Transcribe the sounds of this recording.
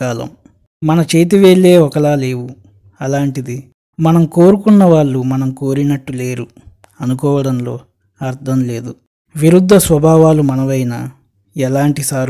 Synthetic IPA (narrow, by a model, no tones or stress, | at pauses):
kaːlɐ̰m | mɐnɐt͡ʃeːjt̪̬iʋeːɭːe̞ːɔkɐɭaːle̞ːʋu | ɐlaːɳʈid̪i | mɐnɐmko̞ːɾukunːɐʋaːɭːumɐnɐmko̞ːɾinɐʈːule̞ːɾu | ɐnukɔːʋɐɽɐnlo̞̰ː | ɐɾd̪ʱʰɐmle̞ːd̪u | ʋiɾud̪ʱːɐsʋɐbʱaːʋaːlumɐnɐʋɐjnɐ | ɛlaːɳʈisaːɾ